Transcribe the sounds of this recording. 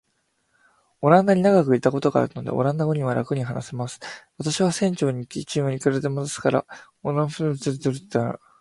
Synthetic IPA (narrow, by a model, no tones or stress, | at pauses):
o̞ɾãnd̪aɲ̟inaɡakɯ̟it̪ːako̞t̪o̞ɡa̰ːɾɯ̟no̞d̪ḛo̞̰ɾãnd̪aɡoɲ̟iβaɾakɯ̟ɲ̟iɦanasemasɨ̥βat̪aɕiβasẽ̞ɲ̟t͡ɕo̞ːɲ̟ikʲit͡ɕĩɰ̃oɲikɯ̟ɾaɾt̪e̞mod̪osɨ̥kaɾa̰ | onãɸɯzɨɾzɨɾɯt̪ːa